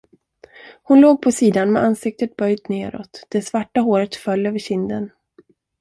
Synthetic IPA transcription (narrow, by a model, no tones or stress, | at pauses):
hʊnloːɡ̚pʰɔsiːd̪anmɛ̰ʔansɪk̚t̪ət̪̚bœjd̪neːɾɔ̰t̪d̪̥ɛsvaʈːaɦoːɾət̪fœlːøːvəɕɪnd̪ən